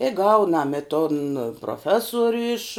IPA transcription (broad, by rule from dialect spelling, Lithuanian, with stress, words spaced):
ɪ ˈɡɐʊnɐm ɪ toːn proːˈfʲæːsoːrʲʊ ɪʃ